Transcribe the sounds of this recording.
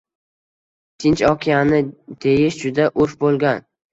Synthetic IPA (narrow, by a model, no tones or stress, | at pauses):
t̪ʰɪnt͡ʃɒkʲʰijanɪd̪̥ejɪʃd͡ʒʊd̪aʔʊɾfbolˠɡʲan